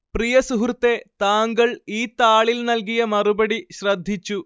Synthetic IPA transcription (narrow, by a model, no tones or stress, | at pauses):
prijɐsuɦrt̪ːet̪aːŋɡɐɭiːt̪aːɭilnɐlk̬ijɐmɐrubɐɽiɕrɐd̪ʱːit͡ɕːu